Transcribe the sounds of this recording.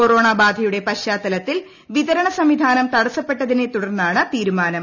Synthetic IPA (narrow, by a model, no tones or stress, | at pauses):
koro̞ːɳaːbaːd̪ʱɐjuɽe̞pɐɕaːt̪ːɐlɐt̪ːil | ʋiðɐɾɐɳɐsɐmʋid̪ʱaːnɐmt̪ɐɽɐsːɐpːe̞ʈːɐðinet̪uɽɐrnːaːɳɨt̪iːɾumaːnɐm